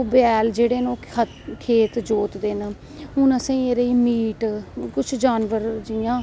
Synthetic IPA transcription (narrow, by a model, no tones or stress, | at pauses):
bɛːld͡ʒeːɽeːnoː | kʰeːt̪d͡ʒoːt̪d̪eːn | ʊnəsẽĩeːɾeiːmiːʈkʊt͡ʃʰd͡ʒaːnʋəɾd͡ʒijãː